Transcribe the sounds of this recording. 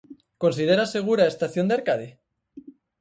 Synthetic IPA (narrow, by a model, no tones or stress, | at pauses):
ko̞nsið̞eɾase̞ɣ̞uɾaest̪aθjo̞nd̪eaɾkaðe